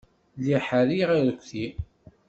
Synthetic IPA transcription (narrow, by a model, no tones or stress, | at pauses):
liħaɾiʁaɾəkʷːθi